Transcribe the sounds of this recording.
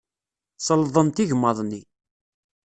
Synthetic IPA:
sˤəlðˤənt̪iʝmːɑðˤni

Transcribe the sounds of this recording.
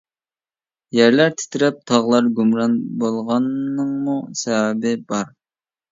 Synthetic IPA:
jæɾlæɾt̪ʰɪ̥t̪ʰɾɪp̚t̪ʰɑʁlˠɑɾɡʲumɾɑnbolˠʁɑnːɨŋmusɛwɛbɪbɑɾ

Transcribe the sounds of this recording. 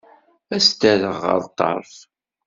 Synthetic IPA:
æst̪æðəʁːə̰ɾˤt̪ːɑ̰ɾˤθ

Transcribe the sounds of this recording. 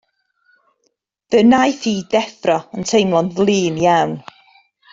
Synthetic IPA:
ð̥ənajθiːdɛθrɔəntʰejmlˠɔnvlˠiːnjawn

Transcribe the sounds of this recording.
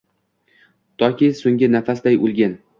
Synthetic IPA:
t̪ʰɒkʲisoŋɡʲɪnafasd̪ajolˠɡʲan

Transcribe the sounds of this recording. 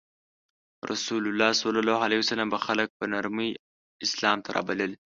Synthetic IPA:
rʔɐ̰suːlulːaːhsɐlːɑlaːhʕalehiwsɐlːɐmbɐxɐlɐk̚bɐnɐɾmi | ɪslamt̪ʰɐɾʔa̰ːbɐlɨl

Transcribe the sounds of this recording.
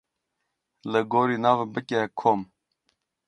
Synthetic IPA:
ləɡoːɾiːnɑːvbəkʲekʰoːm

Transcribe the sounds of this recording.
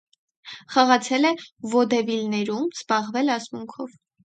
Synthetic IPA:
χɑʁɑt͡sʰɛlɛvɔd̪ɛvilnɛɾumz̥bɑʁvɛlɑsmuŋkʰɔv

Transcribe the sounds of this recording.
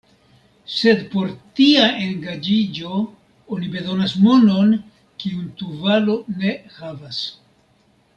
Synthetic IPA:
se̞dpo̞ɾtiaʔe̞ŋɡad͡ʒid͡ʒo̞ | onibe̞zo̞nasmo̞no̞n | kiunt̪uvalo̞ne̞havas

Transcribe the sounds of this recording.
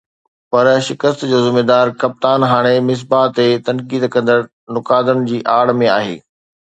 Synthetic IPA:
pɐɾʃɪkəst̪d͡ʑoːzɪmeːd̪aːɾkɐp̚t̪aːnɦaːɽ̃emɪs̬baːt̪ːet̪ɐ̃nkiːd̪kɐ̃nd̪əɽ | nʊkaːd̪ʊnɪ̆d͡ʑiːʔaːɽ̤mẽaːɦḛː

